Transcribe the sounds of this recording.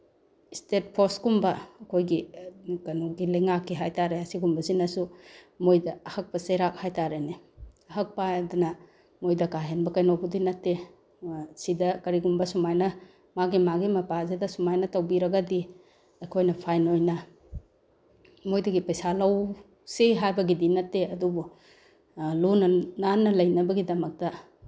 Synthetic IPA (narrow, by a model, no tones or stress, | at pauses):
stet̚pʰoɾsɡumbɐːkʰojɡikɐjnowɡilɐjŋakːiɦajtaɾeɐsiɡumbɐzinɐsu | mojdɐɐhɐk̚pɐseɾak̚hajtaɾeneɐɦɐk̚padunɐ | mojdɐkaɦenbɐkɐjnowbudinɐtːe | sidɐkɐɾiɡumbɐsumajnɐ | maɡimaɡimɐpazedɐsumajnɐtɐwbiɾɐɡɐdi | ɐjkʰojnɐpʰajnojnɐ | mojdɐɡipɐjsalɐw | siɦajbɐɡidinɐtːeɐdubu | lunɐnanːɐlɐjnɐbɐɡidɐmɐk̚tɐ